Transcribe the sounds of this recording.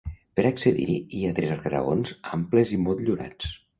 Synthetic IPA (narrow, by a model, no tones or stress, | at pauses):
pəɾakseðḭɾiiat̪ɾɛzaɾɣaɾa̰ɣo̰nzampləzimɔlˠt̪ʎuɾa̰t͡s